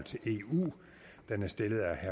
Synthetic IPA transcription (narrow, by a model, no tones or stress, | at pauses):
l̰t͡sʰe̝lʔe̝̰ṵː | d̥enæɐsd̥e̝ləð̞̩ˠæhæ